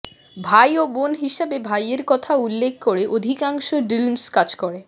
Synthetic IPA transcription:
bʱajobonɦiʃebebʱajeɾkɔt̪ʰaulːek̚ʰkoɾeʔod̪ʱikaŋʃoɖɾilmskad͡ʑkoɾe

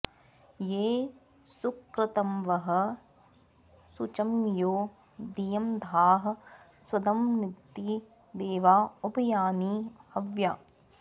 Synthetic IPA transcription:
jeː | sukɾɐt̪ɐmʋɐɦɐ̆ | sut͡ʃɐmjoː | d̪ijɐmd̪ʱaːɦɐ̆ | swɐd̪ɐmnit̪ːi | d̪eːʋaːobɐjaːniːɐʋjaː

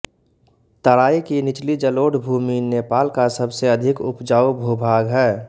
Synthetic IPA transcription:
t̪əɾaːikinɪt͡ʃlid͡ʒəloːɽbʱuːminepaːlkasəbseɐd̪ʱɪkʊ̰pd͡ʒaːubʱubʱaːɡɦɛː

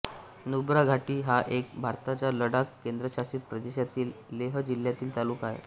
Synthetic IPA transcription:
nubɾaɡʱaʈiːɦaʔek̚bʱaɾt̪at͡ɕaləɽakːend̪ɾəɕast̪ɾiːt̪̚pɾəd̪eɕjat̪iːlːeɦəd͡ʑil̤jat̪iːlt̪aluːkaɦḛ

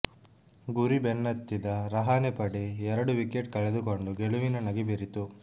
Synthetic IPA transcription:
ɡuɾibenːɐt̪ːid̪ɐɾɐɦaːnepɐɽiɛɾɐɽuʋikeʈ̚kɐɭed̪uko̞ɳɖuɡeɭuʋinɐnɐɡibiɾit̪u

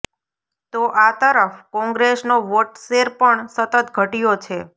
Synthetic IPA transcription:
t̪oʔat̪əɾəfkɔ̃ŋɡɾesnoʋoʈseɾpəɳsət̪ət̪ɡʱəʈijot͡ʃʰe

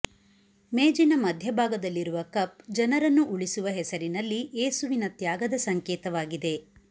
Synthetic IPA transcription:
meːd͡ʒinɐmɐd̪ʱjɐbʱaːɡɐd̪ɐlːiɾuʋɐkɐp̚d͡ʒɐnɐɾɐnːuʔuɭisuʋɐɦɛsɐɾinɐlːiʔeːsuʋinɐt̪jaːɡɐd̪ɐsɐŋkɛːt̪ɐʋaːɡid̪e̞

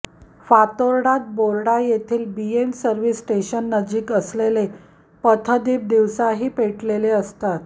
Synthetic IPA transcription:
fat̪oɾɽat̪̚boɾɽajet̪ʰiːlbiemsəɾʋisːʈeɕənːəd͡ʑiːkəslele | pət̪ʰəd̪iːp̚d̪iʋsaɦiːpeʈleleəst̪at̪

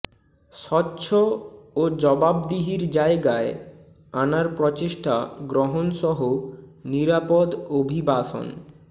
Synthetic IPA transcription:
ʃɔtːɕʰood͡ʑɔbabd̪iɦiɾd͡ʑaeɡae | anaɾpɾɔt͡ɕeʃʈʰaɡɾoɦonʃɔɦoniɾapod̪obʱibaʃo̰n

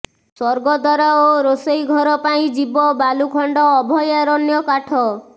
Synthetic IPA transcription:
sɔɾɡɔd̪ɔɾaoɾosejɡʱɔɾɔpaĩd͡ʒibɔbalukʰɔɳɖɔːbʱɔjaɾɔnjɔkaʈʰɔ

